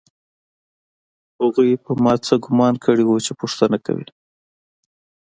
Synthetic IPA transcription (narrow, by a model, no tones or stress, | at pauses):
haɣujpəmɑt͡səɡʊmɑnkʰəɽiwut͡ʃepʊʂt̪anaka̰wḭ